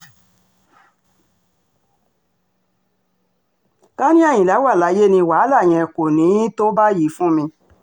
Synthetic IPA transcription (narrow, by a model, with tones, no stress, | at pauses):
ɡ̥a˦nĩ˦ɛ̃˦˨ĩ˨la˨˦wa˦˨la˨˦je˦nĩ˧wa˨˦la˦˨j̃ɛ̃˧˨ko˨nĩ˨˦to˦ba˦ji˨˦fũ˦mĩ˧